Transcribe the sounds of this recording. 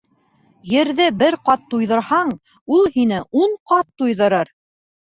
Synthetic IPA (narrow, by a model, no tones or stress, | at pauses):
jɘ̆ɾðɘbɘɾqɑt̪ːujðɤ̆ɾhɑɴ | ulˠhinɘʔuɴqɑt̪ːujðɤ̆ɾɤɾ